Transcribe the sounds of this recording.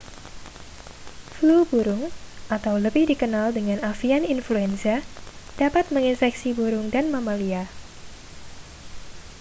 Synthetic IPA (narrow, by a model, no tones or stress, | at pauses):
flubuɾʊŋʔat̪awləbɪhdikənaldəŋanafianinfluɛnsad̥apat̪̚məŋinsɛksibuɾʊŋdanmamalia